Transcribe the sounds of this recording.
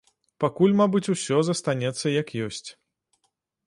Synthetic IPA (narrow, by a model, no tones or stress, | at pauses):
pakulʲmabɨt͡sʲusʲɔzɐst̪anʲɛt̪sːɐjɐkjɔsʲt͡sʲ